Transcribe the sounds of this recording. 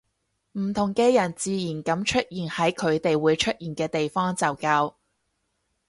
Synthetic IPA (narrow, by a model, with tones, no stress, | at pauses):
m̩˨˩t̪ʰʊ˨˩ŋkɛː˧jɐ˨˩nt͡siː˨˧jiː˨˩nkɐ˨˥mt͡ʃʰɵ˥t̚jiː˨˩nhɐ˨˥jkʰɵ˨˧ɥt̪e˨jwuː˨˧˥jt͡ʃʰɵ˥t̚jiː˨˩nkɛː˧t̪e˨jfɔː˥ŋt͡sɐ˨˩wkaː˧w